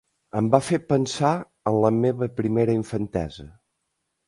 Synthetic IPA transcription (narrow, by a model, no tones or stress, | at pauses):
əmbafepənsa | ənləmeβəpɾimeɾəiɱfənt̪ɛ̰zə